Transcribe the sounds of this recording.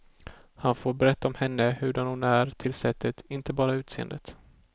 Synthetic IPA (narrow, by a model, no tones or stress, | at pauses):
hanfoːɾbɛɾɛt̪ːaɔmhɛnːəhɵɖanhʊnæɾt̪ʰɪlsɛt̪ʰːət̪ɪnt̪əbɑːɾaʉ̟ːt̪seːə̰nd̪ə̰t̪